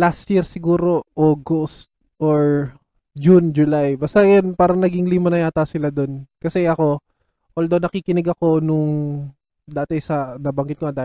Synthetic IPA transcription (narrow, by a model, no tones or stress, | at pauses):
last̪jiɾsɪɡuːɾo̞ʔoːɡost̪̚ | ʔoɹ | d͡ʒund͡ʒʊlajbɐst̪ɐjanpaːɾɐnɐɡɪŋliːmɐnɐjaːt̪ɐsɪlad̪onkɐsɛʔɐko̞ | ʔoːld̪ownɐkiːkɪnɛɡɐko̞nʊŋ | d̪aːt̪ɛsɐnɐbɐŋɡɪt̪̚koɐd̪aːt